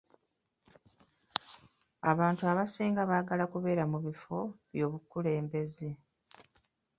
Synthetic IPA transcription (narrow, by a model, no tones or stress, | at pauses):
aβaːntuaβasiːŋɡaβaːɡalakuβe̞ːɾamuβifo̞βjo̞ːβukːule̞ːmbe̞ze